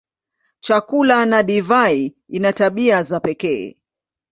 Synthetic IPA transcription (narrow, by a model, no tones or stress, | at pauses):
t͡ʃakulanaɗivai | inataɓiazapɛkɛ̰ɛ̰